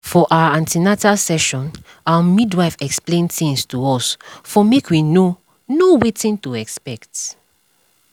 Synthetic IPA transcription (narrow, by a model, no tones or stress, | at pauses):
fɔʔawaãntinatalsɛʃɔ̃n | awamidwaɪfɛksplẽnθĩŋstuɔsfɔmekʰwino | nowetĩntuɛkspɛkt